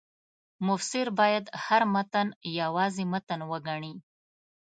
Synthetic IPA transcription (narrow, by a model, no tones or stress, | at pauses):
mʊfsɪɾbɑjad̪haɾmat̪anjawɑzimat̪anwəɡaɳi